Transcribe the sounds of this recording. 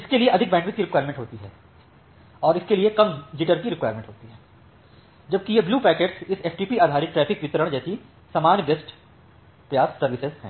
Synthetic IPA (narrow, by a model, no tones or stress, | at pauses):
ɪskelieʔɐd̪ʱɪk̚bɛ̃ːɳkʋɪt̪kiɾɪkwaːjəɾmẽɳʈɦoːt̪iɦɛː | ɔːɾɪskeliekɐmd͡ʒɪʈəɾkiɾɪkwaːjɾmẽːɳʈɦoːt̪iɦɛː | d͡ʒɐb̚kijebluːpɛːkeːɖsɪseːfʈiːpiaːd̪ʱaːɾɪʈɾɛːpʰɪkʋɪt̪əɾəɽ̃d͡ʒɛːsi | sɐmaːnbesʈ | pɾɐjaːsːɐɾʋɪsezɦɛ̰̃ː